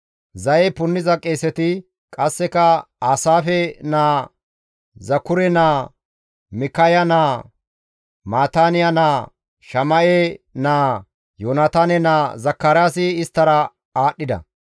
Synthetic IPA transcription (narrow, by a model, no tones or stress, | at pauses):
zɐjɛpʊnːɪzɐkʼːeːsɛt̪ɪ | kʼɐsːɛkɐ | aːsaːfɛnaː | zɐkːʊɾɛnaː | mɪkɐjɐnaː | maːt̪aːnɪjɐnaː | ʃɐmɐʔenaː | joːnɐt̪aːnɛnaːzɐkːaːɾjaːsɪːst̪ːɐɾɐ | aːɗːɪd̪ɐ̰